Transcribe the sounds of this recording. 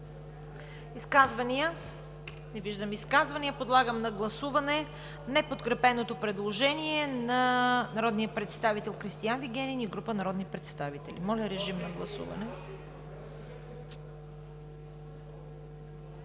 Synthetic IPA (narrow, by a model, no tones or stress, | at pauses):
iskazvɐniə | nɛviʒd̪əmiskazvɐniəpod̪lˠaɡəmnɐɡlˠɐsuvɐnɛ | nɛpot̪kɾɛpɛnot̪opɾɛd̪lˠoʒɛniɛnɐnɐɾɔd̪nijəpɾɛt̪st̪avit̪ɛlˠkɾist̪ijanviɡɛniniɡɾupənɐɾɔd̪nipɾɛt̪st̪avit̪ɛlimɔlʲɐɾɛʒimnɐɡlˠɐsṵvɐ̰nɛ